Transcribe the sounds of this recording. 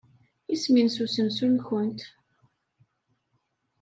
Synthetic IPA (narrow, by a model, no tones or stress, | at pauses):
isminsusəmsunçənt̪